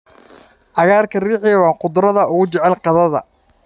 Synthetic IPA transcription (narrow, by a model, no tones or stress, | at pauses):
ʔɑɣaːrkʰɐriːħɪjɐwɑːqʊd̪ɾɐðɐʊɣʊt͡ʃɛʕɛlqɑðɐðɐ̰